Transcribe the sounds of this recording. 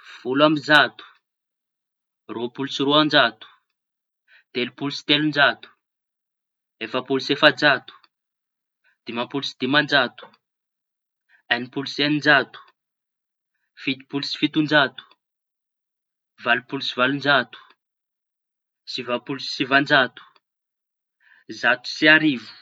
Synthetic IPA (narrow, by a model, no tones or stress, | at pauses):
v̥ulamizat̪u̥ | ropulusiɾoand͡ʒat̪u̥ | d̪̥elupulusi̥t̪elund͡ʒat̪u̥ | efəpulusefad͡ʒat̪u̥ | d̪̥imapulusid̪̥imand͡ʒat̪u̥ | anipulusenind͡ʒat̪u̥ | fit̪i̥pulusi̥fit̪und͡ʒat̪u̥ | valupulusivalund͡ʒat̪u̥ | sivapulusi̥sivand͡ʒat̪u̥ | zat̪u̥siaɾivu̥